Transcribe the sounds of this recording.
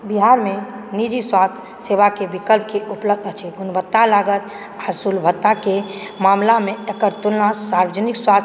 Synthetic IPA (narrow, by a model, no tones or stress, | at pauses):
biɦaɾmenid͡ʒiswast̪ʰ | seβakebikəlp̚keʔupləb̚d̪ət͡ʃʰɛɡunbət̪ːalaɡət̪ | asulbʱət̪ːakemamlameekəɾt̪ulnasaɾbəd͡ʒənikswa